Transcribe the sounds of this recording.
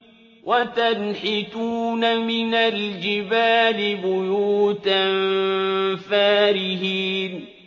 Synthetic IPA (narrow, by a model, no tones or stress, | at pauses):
wʔat̪anħɪt̪uːnamɪnald͡ʒɪbaːlɪbʊjuːt̪am | faːɾɪɦiːn